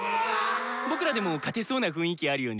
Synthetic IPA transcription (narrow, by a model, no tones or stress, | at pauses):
bo̞kɯ̟ɾad̪e̞mo̞kat̪e̞so̞ːnaɸɯ̟̃ɰ̃ikʲiaaɾɯ̟jo̞ːɲi